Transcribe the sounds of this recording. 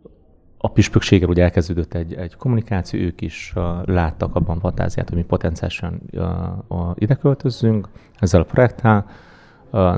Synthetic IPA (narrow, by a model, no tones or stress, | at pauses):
ɒpiʃpøkʃeːɡɛluːɟɛlkɛzd̪øːd̪øt̪ːɛɟːɛɟko̞mːunikaːt̪sijo̰øːkiʃlaːt̪ːɒkɒbːɒɱfɒnt̪a̰ːzija̰ːt̪hoɟmipo̞t̪ɛnsija̰liʃɒn | ʔid̪ɛkø̞lt̪ø̞zːyŋk | ɛzːɛlɒpro̞jɛk̚t̪ʰːɛl